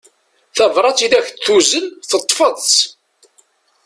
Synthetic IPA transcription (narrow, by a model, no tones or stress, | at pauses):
θævˤɾˤɑt͡sːiðæçθuzənθət̪ˤːfəðˤt͡s